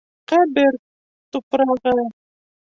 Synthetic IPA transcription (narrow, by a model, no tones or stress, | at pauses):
qæbɘɾ | t̪upɾɑʁɤ